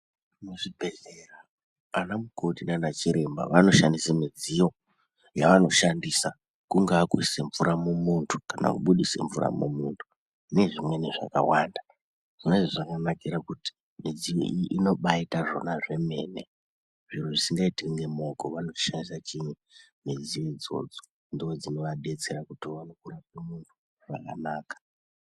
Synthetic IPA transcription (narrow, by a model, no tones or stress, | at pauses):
muʐibʱe̞zeraː | namukʰotinanat͡ʃiɾe̞mba̰ʋano̞ʃandisamid͡zijo̞ | jaʋano̞ʃandisa | kuŋɡaːkuseɱvuɾamumuntʰu̥kana̰kuɓuɗisḛɱvuɾa̰mṵmuntʰu̥ | ne̞ʐimwe̞neʐa̰ka̰wanda | ʐ̥ineʐiʐakanakiɾakuti̥ | mid͡zio̰ʔiʔino̞ɓaitaʐo̞̰naʐe̞me̞̰ːne̞̰ | ʐiɾoʐisiŋɡaitiŋɡemo̞koʋano̞̥ʃandisat͡ʃiɲu | med͡ziʋeid͡zo̞̰d͡zo̥ | ndiod͡zino̞ʋaɗe̞t͡se̞ɾakutiʋanokuɾapemuntʰu̥ | ʐa̰ka̰naːkḁ